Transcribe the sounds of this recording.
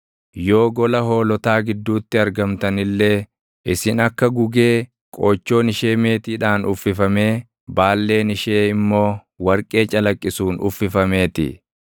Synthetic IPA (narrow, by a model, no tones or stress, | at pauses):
jo̞ːɡɔlɐɦo̞ːlɔt̪aːɡɪd̪ːuːt̪ːɪɐɾɡɐmt̪ɐnɪlːe̞ː | ʔɪsɪnɐkːɐɡʊɡeː | kʼoːt͡ʃːo̞ːnɪʃe̞ːme̞ːt̪iːᶑaːnʊfːɪfɐme̞ː | baːlːe̞ːnɪʃe̞ːɪmːo̞ː | wɐɾkʼe̞ːt͡ʃʼɐlɐkʼːɪsuːnʊ̰fːɪfɐme̞ːt̪ɪ̰